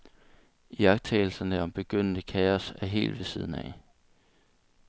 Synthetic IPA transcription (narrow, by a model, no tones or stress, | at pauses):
ijɑ̈ɡ̥̚t͡sʰɛ̰ːl̩sɐnəɒ̽mb̥e̝ɡ̥øn̰n̥əkʰɛːɐsæɦe̝̰ːld̥ʋe̝siːð̞̰ˠn̩æ